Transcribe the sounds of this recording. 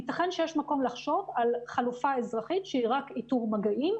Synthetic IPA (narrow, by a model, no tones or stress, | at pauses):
itaχenʃejeʃmako̞mlaχʃo̞valχalufaezʁaχitʃeiʁakituʁmaɡaʔim